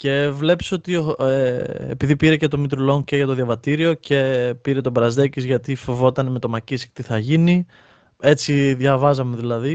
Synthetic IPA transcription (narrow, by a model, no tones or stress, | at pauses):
ce̞vle̞pi̥so̞t̪ioeḛpiðipiɾecet̪o̞mit̪ɾulo̞ŋce̞ʝɐt̪oðjɐvɐt̪iɾio̞ce̞piɾe̞t̪o̞bɾɐzðecizʝɐt̪ifovo̞t̪ɐneme̞t̪o̞mɐcisi̥t̪iθɐʝini | e̞t͡siðʝɐvɐzɐme̞ðilɐði